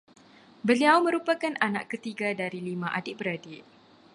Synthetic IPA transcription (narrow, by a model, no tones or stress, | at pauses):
bəliawmə̃ɾupakanana̰ʔkət̪iɡadaɾilimãʔadɪʔ̚bəɾadɪʔ